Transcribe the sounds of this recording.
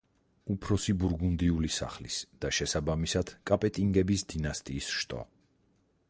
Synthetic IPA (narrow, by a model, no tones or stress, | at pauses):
upʰɾɔsibuɾɡund̪iulisa̰χlḭsd̪̥aʃɛsabamisad̪̥kʼapʼɛt̪ʼiŋɡɛbisd̪inast̪ʼiːsʃt̪ʼɔ̰